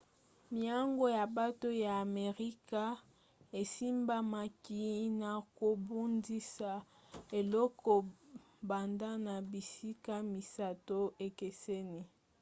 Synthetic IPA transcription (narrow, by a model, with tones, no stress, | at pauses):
mi˨a˦ŋɡo˦ja˨ba˦to˦ja˨a˨me˨ʁi˦ka˦ | e˨si˦mba˦ma˨ki˨˦na˨ko˨bu˦ndi˦sa˨ | e˨lɔ˦kɔ˨ | ba˨nda˦na˨bi˨si˦ka˦mi˨sa˦to˦e˨ke˨sɛ˦ni˦